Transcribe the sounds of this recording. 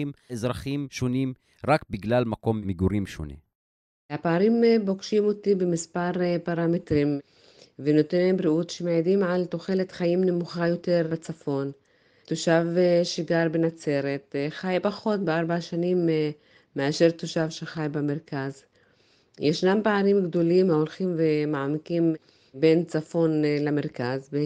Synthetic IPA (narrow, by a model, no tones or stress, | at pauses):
imezʁaχimʃonim | ʁakbiɡlalmako̞mmiɡuɾimʃo̰nḭ | hapaaʁimbo̞kʃimo̞t̪ibemispaʁpaʁamet̪ʁim | veno̞t̪enembɾiutʃemeʕedimʕalt̪o̞χe̞le̞t̪χajimne̞muχajo̞te̞ʁbet͡safo̞n | t̪oʃavʃiɡaɾbenat͡se̞ɾe̞t̪χajpaχo̞t̚beaʁbaaʃanimː | eaʃe̞ʁt̪oʃavʃeχajbemeʁkaz | jʔeʃnampaʕaʁimɡd̪o̞limaolχimvemaʕamikim | be̞nt͡safo̞nlameʁkazbe